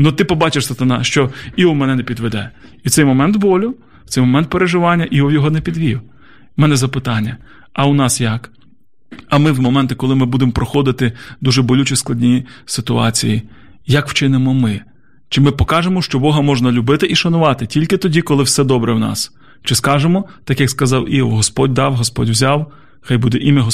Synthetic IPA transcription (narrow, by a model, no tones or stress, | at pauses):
nʊt̪ɪpɔbɑt͡ʃɪʃsɐt̪ɐnɑʃt͡ʃɔiʊmɛnɛnɛpʲid̪ʋɛd̪ɛ̰iwt̪ɛjmɔmɛnt̪bɔlʲʊ | tt͡s̪sɛjmɔmɛnt̪̚peɾeʒɪʋɑnʲːɐʔiɔwjɔɦɔnɛpʲid̪ʋʲijʊ | mɛnɛzɐpɪt̪ɑnʲːɐ | ɐʊnɑsjɐk | ɐmɪwmɔmɛnt̪ɪkɔlˠɪmɪbud̪emɔpɾɔxɔd̪ɪt̪ɪd̪uʒɛbɔlʲut͡ʃʲisklˠɐdʲnʲijisɪt̪ʊɑ̰t͡sʲḭji | jɐkw̥t͡ʃɪnemɔmɪ | t͡ʃɪmɪpɔkɑʒemɔʃt͡ʃɔbɔɦɐmɔʒnɐlʲʊbɪt̪ɪʔiʃɐnʊʋɑt̪ɪtʲilʲkɪt̪ɔdʲikɔlˠɪwsɛd̪ɔbɾɛwnɑ̰s | t͡ʃɪskɑʒemɔt̪ɑkjɐkskɐzɑwʔiʋɔ̰ɦɔspɔd̚ʲd̪ɑwɦɔspɔ̰dʲwzʲɑw | xɑjbud̪ɛʔimʲɐɦ